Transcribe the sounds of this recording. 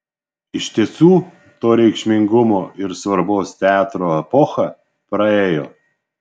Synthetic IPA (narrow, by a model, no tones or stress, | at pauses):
ɪʃʲt̪ʲiɛsuː | t̪oːɾʲɛɪkʃʲmʲɪŋɡʊmoːɪɾsʋɐɾboːst̪ʲæːt̪ɾoːɛpɔxɐ | pɾɐeːjo̰ː